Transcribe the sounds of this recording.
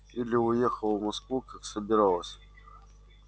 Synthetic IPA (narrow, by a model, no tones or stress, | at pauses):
ilʲɪʊjexəlˠvmɐskvukʰaksəbʲɪɾalˠəsʲ